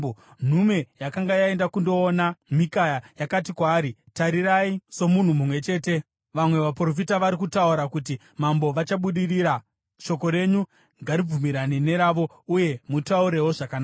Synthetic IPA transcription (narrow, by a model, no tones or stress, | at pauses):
n̤ume̞jakaŋɡajae̞ndakundo̞ːnamikajajakatikwaːɾitaɾiɾaiso̞mun̤umumwe̞t͡ʃe̞ːte̞ | ʋamwe̞ʋapro̞f̬itaʋaɾikutauɾakuti | mambo̞ʋat͡ʃaɓuɗiriːɾa | ʃo̞ko̞ɾe̞ɲu | ŋɡaɾib͡vumiɾanine̞ɾaːʋo̞ | uje̞mutauɾe̞woʐakanaːa